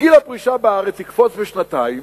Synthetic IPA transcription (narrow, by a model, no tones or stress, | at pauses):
ilapʁiʃabeaʁet͡shikfɔt͡sbeʃnataim